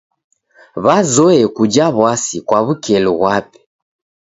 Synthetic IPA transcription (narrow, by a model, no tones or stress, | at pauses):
βazɔɛkud͡ʒaβwasikwaβukɛluβwapɛ̥